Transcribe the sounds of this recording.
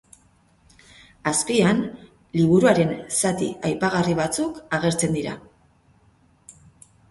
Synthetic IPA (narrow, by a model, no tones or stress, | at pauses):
askian | liβuɾuaɾe̞nsat̪ḭajpaɣ̞ariβ̞at͡sukaɣ̞e̞ɾt͡se̞nd̪iɾa